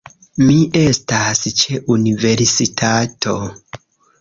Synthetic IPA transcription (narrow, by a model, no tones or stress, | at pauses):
miʔe̞stast͡ʃe̞ʔunive̞ɾsitʰatʰo̞